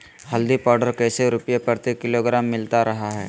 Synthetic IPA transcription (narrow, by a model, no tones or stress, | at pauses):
hɐld̪ipɔːɾɖəɾkɛːseɾʊpjepəɾt̪ikɪloɡɾaːmːɪlt̪aɾɐɦaɦɛ̰ː